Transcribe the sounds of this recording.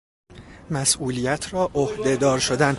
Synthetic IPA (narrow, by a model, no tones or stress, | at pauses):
mæsʔuːlijæt̪ʰrɒːʔohd̪e̞d̪ɒːɾʃo̞d̪æn